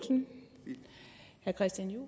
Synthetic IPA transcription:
lsən | hæɐkʰʁɛsd̥jænju

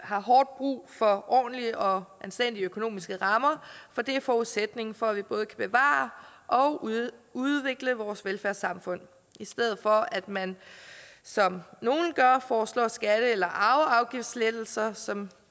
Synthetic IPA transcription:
hɑ̈ɦɒːd̥̚b̥ʁṵːfɒ̽ʔɒ̰ːn̩liʔɒ̽ʔænsd̥en̰d̥iəøkʰo̝no̝̰ːmisɡ̥əʁɑ̈mɐfɒ̽d̥e̝æɐfɒːuðˠsed̥ne̝ŋn̩fɒ̽æʋib̥ɔ̽ːð̞̩ˠəkʰæb̥e̝ʋɑ̰̈ːʔɒ̽ʊuðˠʋe̝ɡ̥ləʋɒːsʋelfæɐsɑ̈mfɔ̽n̰ | isd̥eð̰̩ˠfɒ̽æd̥mæn | sɒ̽mno̝ːn̩ɡ̥ɶɐfɒːslɒ̰ːsɡ̥æɾ̥əelɐʔɑ̈ʊɑ̈ʊɡ̥ifd̥sled̥l̩sɐsɒ̽m

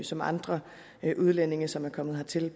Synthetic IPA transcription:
sɒ̽mɑ̈nd̥ʁɐ | ʔuð̞ˠlene̝ŋɐsɒ̽mæɐkʰɒ̽m̰ðˠɦɑ̈t͡sʰe̝l

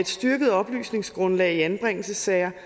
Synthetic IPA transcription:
ed̥sd̥yɐɡ̥əð̞̩ˠɒ̽b̥ly̰ːsne̝ŋsɡ̥ʁɔ̽nlɛ̰ːɪiænb̥ʁɛŋ̰l̩səsɛɪɐ

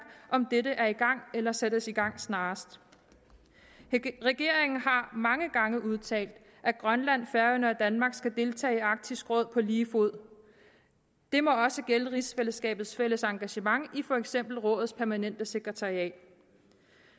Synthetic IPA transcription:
ʔɒ̽md̥edəʔæɐiɡ̥ɑ̈ŋ̰elɐsed̥əsiɡ̥ɑ̈ŋ̰snɑ̈ːsd̥ | ʁɛɡ̥e̝ɐ̰eŋn̩ɦɑ̈mɑ̈ŋəɡ̥ɑ̈ŋəʔuð̞ˠt͡sʰɛ̰ːld̥ | ʔæɡ̥ʁɶnlæn̰fæɐənəɒd̥ænmɑ̈ːɡ̥sɡ̥æd̥e̝lt͡sʰɛ̰ːɪɑ̈ɡ̥̚t͡sʰisɡ̥ʁɔ̽ð̞̰ˠpʰɒ̽liːfo̝ð̞̰ˠ | d̥e̝mɒ̽ɒ̽səɡ̥eləʁisfeləsɡ̥ɛ̰ːb̥ð̞̩ˠsfel̰əsɑ̈ŋɡ̥æɕəmɑ̈ŋifɒ̽eɡ̥sem̰b̥l̩ʁɔ̽ːð̩ˠspʰæɐmænen̰d̥əse̝ɡ̥ʁɛt͡sʰɑ̈ʁiɛ̰ːd̥

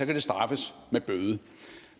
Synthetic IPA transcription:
ɒ̽kʰæd̥e̝sd̥ʁɑ̈fəsmeb̥øðˠə

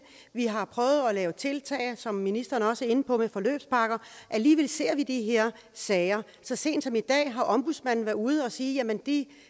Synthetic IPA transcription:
ʋiɦɑ̈pʰʁœːʊð̞̩ˠɒ̽lɛːʊt͡sʰe̝lt͡sʰɛ̰ːɪsɒ̽mːinisd̥ɐːnɒ̽səe̝n̩pʰɒ̽mefɒ̽lø̰ːb̥spʰɑ̈ɡ̥ɐʔæliːʋelse̝ɐ̰ʋid̥iɦe̝ɐ̰ | sɛːɪɐ | sɒ̽se̝̰ːnd̥sɒ̽mid̥ɛ̰ːɦɑ̈ʔɒ̽mb̥usmæn̰n̩ʋæɐuːð̞̩ˠɒ̽siːjæmend̥i

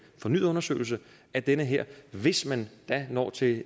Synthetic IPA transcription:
fɒ̽nyðˠɔ̽nɐsø̰ːl̩s̬ə | æd̥enəɦeɐ̰ʋe̝smænd̥ænɒ̰ːt͡sʰe̝

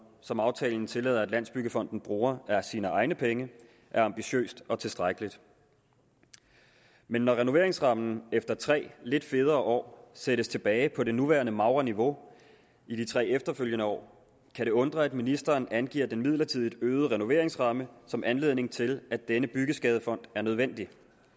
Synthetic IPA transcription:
sɒ̽mɑ̈ʊt͡sʰɛ̰ːln̩t͡sʰe̝lɛð̞̰ˠɐæd̥læn̰sb̥yɡ̥əfɒ̽n̰d̥n̩b̥ʁuːɐæsiːnəʔɑ̈ɪnəpʰeŋə | ʔæɐɑ̈mb̥iɕø̰ːsd̥ɒ̽t͡sʰe̝lsd̥ʁaɡ̥əlid̥ | menːɒʁɛno̝ʋe̝ɐe̝ŋsʁɑ̈mnn̩efd̥ɐt͡sʰʁɛ̰ːle̝d̥fe̝ð̞ˠɐːʔɒ̰ːseɾ̥əst͡sʰe̝b̥ɛːɪpʰɒ̽de̝nuʋæːɐnəmɑ̈ʊʁɐniʋo̝ | id̥it͡sʰʁɛ̰ːefd̥ɐføl̰jənəɒ̰ː | kʰæɾe̝ɔ̽nd̥ʁɐæd̥minisd̥ɐːnænɡ̥ḭːɐd̥enmið̞̰ˠlɐt͡sʰiðˠid̥øːð̞̩ˠəʁɛno̝ʋe̝ɐ̰e̝ŋsʁɑ̈məsɒ̽mʔænle̝ð̞̰ˠne̝ŋt͡sʰe̝læd̥enəb̥yɡ̥əsɡ̥ɛːð̞ˠəfɒ̽n̰d̥æɐnøð̞ˠʋen̰d̥i

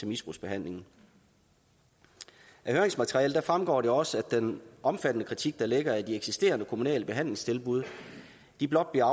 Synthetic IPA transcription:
t͡sʰe̝misb̥ʁṵsb̥e̝ɦæn̰le̝ŋn̩ | ʔæhøɐe̝ŋsmæt͡sʰeʁiɛ̰ːld̥æfʁamɡ̥ɒ̰ːɾe̝ɒ̽səæd̥ːenʔɒ̽mfæd̥ənəkʰʁit͡sʰiɡ̥̚d̥ɑ̈leɡ̥ɐæd̥ieɡ̥sisd̥e̝̰ːɐnəkʰo̝munɛ̰ːləb̥e̝ɦæn̰le̝ŋst͡sʰe̝lbuð̞ˠ | d̥ib̥lɒ̽d̥̚b̥liɐɑ

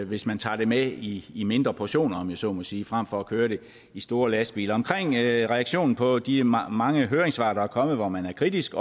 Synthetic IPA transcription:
ʋe̝smænt͡sʰɑ̰̈ːd̥e̝meiːme̝nd̥ʁɐpʰoɕo̝̰ːnɐɒ̽mjæsɒ̰ːmɒ̽siːfʁam̰fɒ̽ɒkʰøːɐɾe̝ | isd̥o̝ːɐlæsb̥ḭːlɐɒ̽mkʰʁeŋ̰ʁɛɑɡ̥ɕo̝̰ːnn̩pʰɒ̽d̥imɑ̈ŋəɦøːɐʁeŋsʋɑ̈ːɾ̥ɐæɐkʰɒ̽məð̞̩ˠʋɒmænæɐkʰʁid̥isɡ̥ɒ

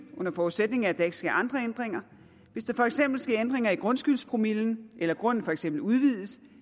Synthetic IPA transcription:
ʔɔ̽n̰ɐfɒuðˠsed̥ne̝ŋ̩æd̥ɑ̈e̝ɡ̥əsɡ̥æʔɑ̈nd̥ʁɐend̥ʁeŋɐ | ʋe̝sd̥ɑ̈fɒ̽eɡ̥sem̰b̥l̩sɡ̥ɛend̥ʁeŋɐiɡ̥ʁɔ̽nsɡ̥ylspʰʁo̝miln̩ʔelɐɡ̥ʁɔ̽n̰n̩fɒ̽eɡ̥semb̥l̩uð̞ˠʋið̞ˠəs

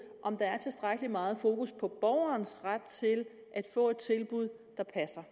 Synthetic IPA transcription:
ʔɒ̽md̥ɑ̈æɐt͡sʰe̝lsd̥ʁaɡ̥əlimɑ̈ːð̞̩ˠfo̝ːkʰuspʰɒ̽b̥ɒʊ̰ɐnsʁad̥̚t͡sʰe̝l | ʔæd̥fɔ̰̽ːe̝d̥̚t͡sʰe̝lb̥uð̞̰ˠ | d̥ɑ̈pʰæsɐ

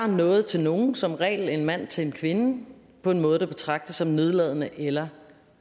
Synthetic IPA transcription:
ɐnɔ̽ːð̞̩ˠt͡sʰe̝lno̝ːn̩sɒ̽mʁɛ̰ːle̝nmæn̰t͡sʰe̝lenkʰʋe̝nə | pʰɒ̽e̝nmɔ̽ːð̞ˠd̥ɑb̥e̝t͡sʰʁɑ̈ɡ̥̚d̥əsɒ̽mne̝ð̞ˠlɛð̞̰ˠənəʔelɐ

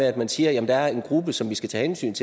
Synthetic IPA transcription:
eæd̥mænsiːɐjæmənd̥ɑ̈æɐe̝nɡ̥ʁubəsɒ̽mʋisɡ̥æt͡sʰɛ̰ːhensy̰ːnt͡sʰe

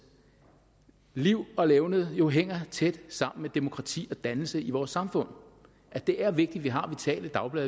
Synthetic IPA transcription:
liʊ̰ɒ̽leʊnəð̩ˠjo̝ɦeŋ̰ɐt͡sʰed̥sɑ̈m̰n̩med̥e̝mo̝kʰʁɑ̈t͡sʰḭːɒ̽d̥ænl̩səiʋɒːsːɑ̈mfɔ̽n̰ | ʔæd̥e̝ʔæɐʋe̝ɡ̥̚d̥iʋiɦɑ̈ʋit͡sʰɛ̰ːləd̥ɑ̈ʊb̥lɛː

